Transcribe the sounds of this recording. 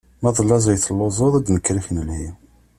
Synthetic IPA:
mɑðˤlːɑzˤiθəlːozˤoðˤæd̪nəkːɾifnəlhi

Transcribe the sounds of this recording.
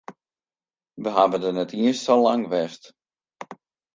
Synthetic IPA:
ʋəɦabədənɛtʰiəstəlaŋʋɛst

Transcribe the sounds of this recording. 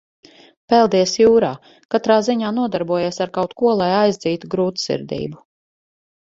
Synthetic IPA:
pɛlˠd̪iɛsjuːɾaː | kat̪ɾaːziɲaːnuɔd̪aɾbuɔjeɛsaɾkawt̪kuɔlˠajajzd̪ziːt̪uɡɾuːt̪sḭɾd̪ḭːbu

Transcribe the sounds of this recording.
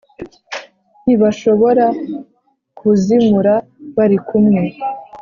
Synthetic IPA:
n̥iβaʃo̞βo̞ɾa | kʰuzimuɾaβaɾikumŋe̞

